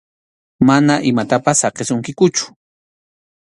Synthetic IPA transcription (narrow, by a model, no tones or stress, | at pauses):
manaʔɪmat̪apasːɑqesʊŋkɪkʊt͡ʃʊ̥